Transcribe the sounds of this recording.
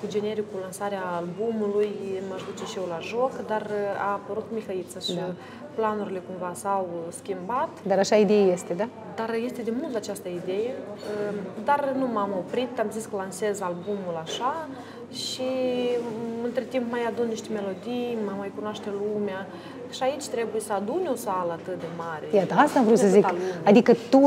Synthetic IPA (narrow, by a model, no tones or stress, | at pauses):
kud͡ʒe̞ne̞ɾikːulansaɾeaːlbumulujmaʃd̪ut͡ʃeʃijewlaʒo̞kd̪ara̰ːpəɾut̪mixait̪səʃ | planuɾile̞kumvasawskʲimbat̪d̪aɾaʃaid̪ejajest̪ed̪a | d̪arje̞st̪e̞d̪emult̪at͡ʃast̪əid̪e̞je̞əd̪arnumamo̞pɾit̪amziskəlanse̞zalbumulaʃa | ʃi | ɨnt̪ɾet̪impmajad̪unniʃt̪eme̞lo̞d̪ijməmajkunoaʃt̪elumea | ʃiait͡ʃʲt̪ɾe̞buje̞səad̪unʲo̞saləat̪ɨt̪̚d̪e̞maɾʲejat̪əast̪amvɾut̪səzzik̪t̪alumad̪ikət̪u